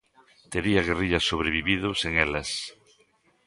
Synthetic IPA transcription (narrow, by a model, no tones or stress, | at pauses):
t̪eɾiɐɣ̞eriʎɐsːoβɾeβ̞iβiðʊseŋelɐs